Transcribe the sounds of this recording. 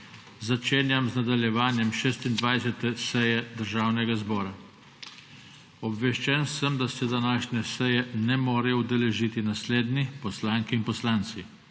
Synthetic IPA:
zat͡ʃeːnjamznad̪aljɛʋaːnjɛmʃeːst̪ind̪ʋajsɛt̪ɛsɛjɛd̪əɾʒaːwnɛɡazbɔːɾa | ɔbʋɛʃt͡ʃɛnsəmd̪asɛd̪anaːʃnʲɛsɛjɛnɛmɔːɾɛjɔud̪ɛlɛʒiːt̪inasleːd̪nipɔslaːŋkiinpɔslaːnt̪si

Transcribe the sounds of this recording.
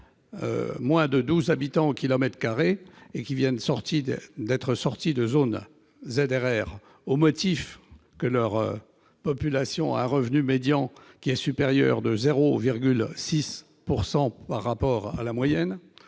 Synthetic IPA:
ø̰mwɛ̃d̪əd̪uzabit̪ɑ̃okʲilɔmɛt̪χkaʁeekʲivjɛnsɔʁt̪id̪ɛt̪χəsɔʁt̪id̪əzon | zed̪eʁɛːʁ | omɔt̪if | kəlœʁ | pɔpylasjɔ̃a̰ɛ̃ʁəvnymed̪jɑ̃kʲiɛsypeʁjœ̰ʁd̪əzeʁoviʁɡʲylsis | puʁsɑ̃paʁːapɔʁa̰lamwajɛn

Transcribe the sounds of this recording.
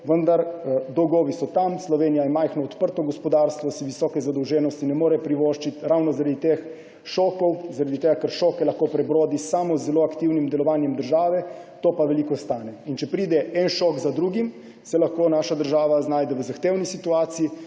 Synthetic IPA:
ʋənd̪aɾd̪ɔwɡɔːʋisɔt̪amslɔʋeːnijajɛmajxnɔːt̪pəɾt̪ɔɡɔspɔd̪aɾst̪ʋɔsiʋisɔːkɛzad̪ɔwʒɛːnɔst̪inɛmoːɾɛpɾiʋoːʃt͡ʃit̪ɾawnɔzaɾad̪it̪ex | ʃɔːkɔwzaɾad̪it̪eɡakəɾʃɔːkɛlaxkoːpɾɛbɾoːd̪isaːmɔzːɛloːakt̪iwnimd̪ɛlɔʋaːnjɛmd̪əɾʒaːʋɛt̪oːpaʋɛliːkɔst̪aːnɛint͡ʃɛpɾiːd̪ɛʔɛnʃɔkzad̪ɾuːɡim | sɛlaxkoːnaːʃad̪əɾʒaːʋaznaːjd̪ɛʋəzaxt̪eːwnisit̪uaːt̪siji

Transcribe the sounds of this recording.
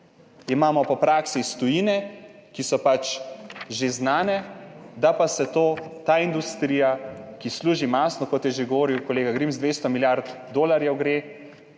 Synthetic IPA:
imaːmɔpɔpɾaːksist̪ɔjinɛkisɔpat͡ʃʒeznaːnɛd̪apasɛt̪oːt̪aːind̪ust̪ɾiːjakisluːʒimasnɔkɔt̪jɛʒeɡɔʋoːɾiwkɔleːɡaɡɾimzd̪ʋeːst̪ɔmiljaɾt̪ | d̪oːlaɾjɛwɡɾe

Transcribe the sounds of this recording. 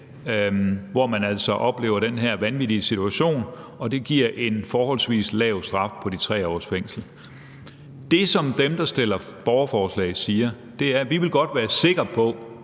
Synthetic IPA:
ʋɒmænæl̰sɒ̽ʔɒ̽b̥le̝̰ːʊɐɾ̥d̥enɦæɐ̰ʋænʋid̥iəsit͡sʰuæɕo̝̰ːnɒ̽d̥e̝ɡ̥iɐ̰ʔe̝nfɒːhɒ̽l̰sʋḭːslɛːʊsd̥ʁɑ̈fpʰɒ̽dit͡sʰʁɛ̰ːɒ̰ːsfeŋ̰sl̩ | d̥e̝sɒ̽md̥emd̥ɑ̈sd̥e̝l̰ɐb̥ɒʊɐfɒːslɛ̰ɪsiːɐ | d̥e̝æɐʋiʋe̝lɡ̥ɒ̽d̥ʋæːɐse̝ɡ̥ʁɐpʰɒ̽

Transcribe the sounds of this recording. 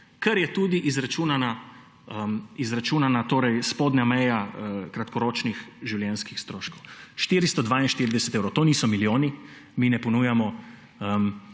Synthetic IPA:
kɐɾjɛt̪uːd̪iʔizɾat͡ʃuːnana | əmizɾat͡ʃuːnanat̪oːɾɛjspoːd̪ɲamɛjaəkɾat̪kɔɾoːt͡ʃnixʒiwljɛnskixst̪ɾoːʃkɔwʃt̪iːɾist̪ɔd̪ʋaːinʃt̪iːɾid̪ɛsɛt̪ewɾɔwt̪oːnisɔmiljoːni | miːnɛpɔnuːjamɔ | əm

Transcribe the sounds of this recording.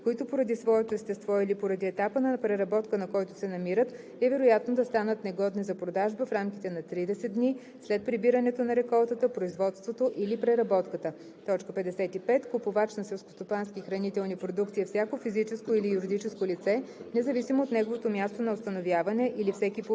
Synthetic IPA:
koit̪opoɾɐd̪isvɔɛt̪oɛst̪ɛst̪vɔilipoɾɐd̪iɛt̪apənɐpɾɛɾɐbɔt̪kənɐkɔjt̪ʊ̥sɛnɐmiɾət̪ | ɛvɛɾojat̪nod̪ɐst̪anət̪nɛɡɔd̪nizɐpɾod̪aʒbəfɾamkit̪ɛnɐt̪ɾid̪ɛsɛt̪d̪ni | slɛt̪̚pɾibiɾənɛt̪onɐɾɛkɔlˠt̪ət̪əpɾoizvɔt̪st̪vot̪oʔilipɾɛɾɐbɔt̪kət̪ə | t̪ɔt͡ʃkəpɛd̪ɛsɛt̪ipɛt̪kopovat͡ʃnɐsɛlˠsko̥st̪opanskʲixɾɐnit̪ɛlˠnipɾod̪ukt̪siɐfsʲjakofizit͡ʃɛskoilijuɾid̪it͡ʃɛskolit̪sɛnɛzɐvisimoːt̪nɛɡovot̪omjast̪onɐost̪ɐnovʲjavɐnɛʔilifsɛkʲip

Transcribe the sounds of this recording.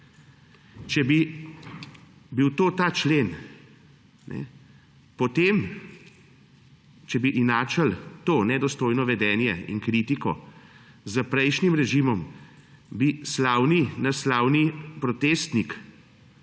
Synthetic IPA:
t͡ʃɛbi | biwt̪oːt̪aːt͡ʃleːn | nʔɛ̰ | pɔt̪em | t͡ʃɛbiʔinaːt͡ʃəlt̪oːnɛd̪ɔst̪oːjnɔʋɛd̪ɛːnjɛḭnkɾit̪ikɔ | zəpɾɛjʃnimɾɛʒimɔm | bislaːwninaslaːwnipɾɔt̪eːst̪nik

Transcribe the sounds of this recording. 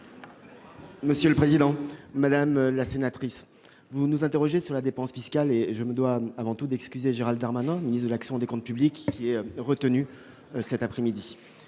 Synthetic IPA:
məsjøləpχezid̪ɑ̃ːad̪amlasenat̪χis | vunuzɛ̃t̪eʁɔʒesyʁlad̪epɑ̃sfiskaleʒəməd̪waːvɑ̃t̪ud̪ɛkskʲyzeʒeʁald̪aʁmanɛ̃minist̪χd̪əlaksjɔ̃d̪ekɔ̃t̪̚pyblikʲːiɛʁət̪əny | sɛt̪apχɛmid̪i

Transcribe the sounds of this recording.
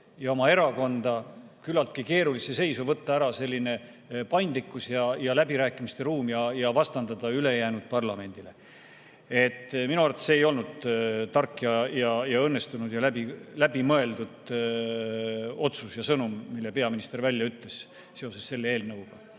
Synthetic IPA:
jɑo̞mɑe̞ɾɑko̞nd̪̥ɑkylːɑlt̪̚kike̞ːɾulisese̞jsuvɤt̪ːɑæɾɑse̞lʲːine̞ | pɑjnd̪likːˑusjɑjɑlæbiɾæːkːˑimist̪e̞ɾuːmjɑjɑvɑst̪ɑnd̪ɑd̪̥ɑyle̞jæːnud̪̥̚pɑrlɑme̞nʲd̪̥ile̞ | e̞t̪ːˑminuɑrt̪eseːjo̞lnud̪̥t̪ɑrkːˑjɑjɑjɑɤnːe̞st̪unud̪̥jɑlæbilæbimɤe̞ld̪ud̪ | o̞t̪susjɑsɤnumːilːe̞pe̞ɑminist̪e̞ɾvælʲːjɑyt̪le̞s | seo̞se̞sse̞lːee̞ːlnɤwuɡ̥ɑ

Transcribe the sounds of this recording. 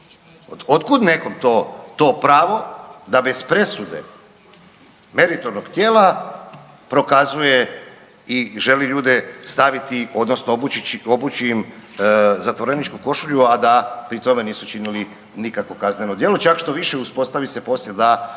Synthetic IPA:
ood̪kud̪ne̞ko̞mt̪oːt̪o̞ːpɾaːʋo̞d̪abe̞zpɾe̞sud̪ḛ | me̞ɾit̪o̞ɾnoɡt̪je̞ːlˠa | pɾo̞kazuje | iʒe̞liʎuːd̪est̪aʋit̪io̞d̪no̞snoobut͡ʃiːm | zat̪ʋo̞ɾenit͡ʃkuko̞ʃuʎuad̪apɾit̪o̞me̞niːsut͡ʃinili | nikakʋo̞kazneno̞d̪jelo̞t͡ʃakʃt̪o̞ʋiʃeuspo̞st̪aʋise̞po̞slʎjed̪a

